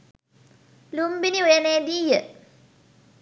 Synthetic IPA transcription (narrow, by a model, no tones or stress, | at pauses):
lumbiniujəneːd̪iːjə